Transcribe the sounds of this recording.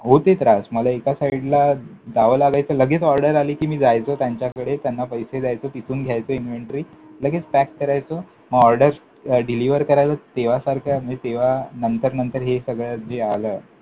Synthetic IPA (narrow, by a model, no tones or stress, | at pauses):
ɦot̪et̪ɾasməlaekasaiɽlad̪aʋəlaɡajt͡səːləɡet͡sɔɾɖəɾaliːkiːmiːd͡zajt͡sot̪jaɲt͡ɕjakəɽet̪janːapəjsed͡zajt͡sop̪it͡suːnɡʱjajt͡səinʋeɳʈɾiːləɡet͡spækkəɾajt͡so | məɡɔɾɖəɾ | ɖiliʋəɾkəɾajləːt̪eʋ̤asaɾkʰjamit̪eʋanənt̪əɾnənt̪əɾɦesəɡɭad͡zealəː